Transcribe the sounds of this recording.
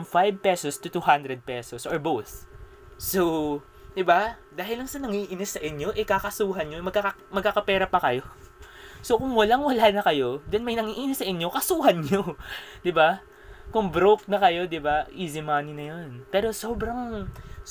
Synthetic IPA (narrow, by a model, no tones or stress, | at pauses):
ɐmfajb̚pɛsost̪ʊt̪uhand̪ɾɛd̪̚pɛːsosʔoɹbowθ | so | d̪ɪba | d̪aːɦɪlːɐŋsɐnɐŋiʔɪnɪsɐʔɪɲo̞ʔɛkaːkɐsuːɦɐnɲomɐɡ̚ka | mɐɡ̚kakɐpɛːɾɐpɐkɐjo̞ | sokʊŋwɐlaŋwɐlaːnɐkɐjo̞d̪ɛnmɐjnɐŋiːʔinɪsɐʔɪɲːo̞kɐsuːɦɐnɲod̪ɪba | kʊŋbɾok̚nɐkɐjo̞d̪ɪbaʔizɪmaːnɪnɐjonpɛːɾo̞so̞ːbɾɐŋ